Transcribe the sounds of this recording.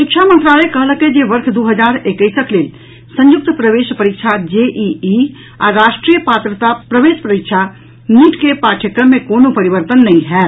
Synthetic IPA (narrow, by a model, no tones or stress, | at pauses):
ʃɪkʃʰamə̃nt̪ɾalekəɦləked͡ʒeʋəɾkʰd̪uɦəd͡ʒaːɾekəɪsəkleːl | sə̃jʊk̚t̪pɾəʋeʃpəɾikʃʰad͡ʒeʔii | a̰ɾaʃʈɾiːjəpaːt̪ɾət̪apɾəʋeːʃpɾəɾikt͡ʃʰa | niːʈʰkepaːʈʰəkəmːẽkonopəɾiʋəɾt̪ənːəĩɦɛ